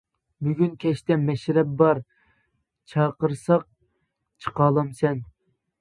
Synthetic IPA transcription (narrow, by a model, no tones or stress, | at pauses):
byɡʲynkʲʰɛʃt̪ɛmɛʃɾɛp̚bɑɾ | t͡ʃʰɑːqəɾsɑq̚ | t͡ʃʰə̥qɑːlˠɑmsɛn